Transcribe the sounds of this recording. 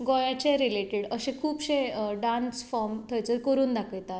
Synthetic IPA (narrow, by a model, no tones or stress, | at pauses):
ɡɔjat͡ɕeɾileʈeɽəɕẽkʰuːpɕẽɖãnsfɔɾmt̪ʰəjt͡səɾkəɾuːnd̪akʰəjt̪at̪